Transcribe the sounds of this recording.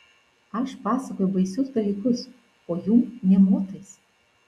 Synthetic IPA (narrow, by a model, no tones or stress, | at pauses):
ɐʃpɑːsɐkoːjʊbɐɪsʲʊsd̪ɐlʲiːkʊs | oːjumnʲɛmoːt̪ɐɪs